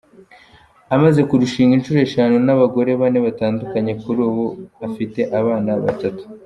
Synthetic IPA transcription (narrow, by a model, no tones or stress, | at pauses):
amaze̞kuɾuʃiːŋɡinʃuːɾoe̞ʃaːnunaβaɡo̞ɾe̞βaneβataːndukaɲekuɾuːβoafite̞ʔaβaːnaβa̰tatu̥